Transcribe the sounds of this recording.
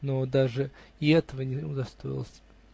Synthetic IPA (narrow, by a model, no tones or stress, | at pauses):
nod̪aʐɨɪɛt̪əvənʲɪʊd̪ɐst̪o̞jɪ̰lˠəsʲ